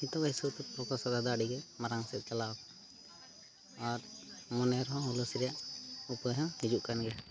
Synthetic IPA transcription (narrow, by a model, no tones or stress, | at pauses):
it̪ɔbajsɔt̪ɛpɔkɔsɔd̪ad̪aɖiɡɛmaɾaŋsɛt̪̚t͡ʃala | ɔɾmɔnɛɾɦɔ̃ulɔsɾijaʔupɔjɦɔ̃hid͡ʒuʔkanɡɛ